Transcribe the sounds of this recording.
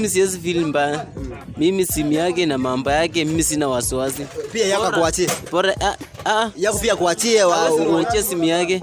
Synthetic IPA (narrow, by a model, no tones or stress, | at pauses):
imisiɛs̬ifilimbaja | mimisimijak̬ɛnamambɔjak̬ɛmimisinawasiwasipiajaakuat͡ʃiɛbɔɾaʔaajakɔpiakuat͡ʃiɛwauɛt͡ʃɛsimijakɛ